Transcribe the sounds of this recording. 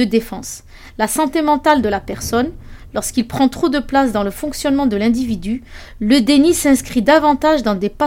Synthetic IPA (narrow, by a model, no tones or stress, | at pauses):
əd̪efɑ̃s | lasɑ̃t̪emɑ̃t̪ald̪əlapɛʁsɔnlɔʁskilpχɑ̃t̪χod̪əplas̬d̪ɑ̃ləfɔ̃ksjɔnmɑ̃d̪əlɛ̃d̪ivid̪y | ləd̪enisɛ̃skχid̪avɑ̃t̪aʒd̪ɑ̃d̪epa